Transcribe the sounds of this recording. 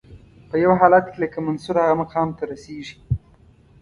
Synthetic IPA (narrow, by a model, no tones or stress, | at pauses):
pəjawɦɑlat̪keləkamansuɾhaɣamaqɑmt̪aɾaseʐi̥